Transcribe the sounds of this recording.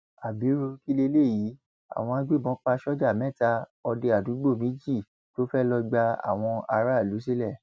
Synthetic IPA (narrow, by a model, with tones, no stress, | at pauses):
a˨bi˨˦ɾo˧ki˦le˧le˦˨ji˨˦ | a̰˦˨w̃ɔ̃˧a˦ɡ͡be˦˨bɔ̃˨˦k͡pa˧ʃɔ˦d͡ʒa˦˨mɛ̃˦˨ta˦˧ɔ˧de˧a˨du˨˦ɡ͡bo˦˨mĩ˨˦d͡ʒi˦˨ | to˦fɛ˦lɔ˧ɡ͡ba˧a̰˨w̃ɔ̃˧a˧ɾa˦˨lu˨˦s̬i˦lɛ˦˨